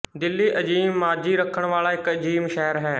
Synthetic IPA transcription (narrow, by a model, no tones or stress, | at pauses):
d̪ɪlːiːʔəd͡ʒiːmːaːd͡ʒiːɾəkʰːəɳ̃ʋaːlaːɪkəd͡ʒiːmʃɛːɾɦɛː